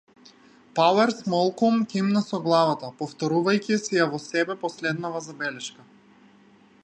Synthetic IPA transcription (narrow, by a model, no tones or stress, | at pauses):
palɛɾsmɔlˠkumcɛimnasɔɡlˠavat̪apɔft̪ɔɾuvajcʲisijavɔsɛbɛpɔslɛd̪navazabɛlɛʃka